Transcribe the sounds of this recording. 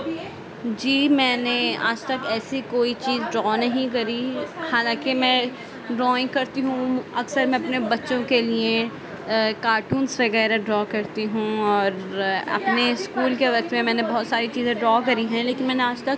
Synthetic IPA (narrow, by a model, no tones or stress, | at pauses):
d͡ʒiːmɛ̃ːnea̰ːd͡ʒt̪ɐkɛːsikoːit͡ʃiːzɖɾɔːnɐɦĩk̬ɐɾihaːlãːkemɛ̃ | ɖɾɔːɪ̃ŋɡkɐɾt̪iɦũɐksəɾmɛ̃ɐpnebɐtːʃõkelie | kaːɾʈuːnsʋɐɣɛːɾaɖɾɔːkɐɾt̪iɦũɔːɾɐ̰pneɪskuːlkeʋɐk̚t̪mẽmɛ̃ːnebɐɦʊt̪saːɾit͡ʃiːzẽɖɾɔːkɐɾiɦɛ̃leːkɪnmɛːneaːd͡ʒt̪ɐk̚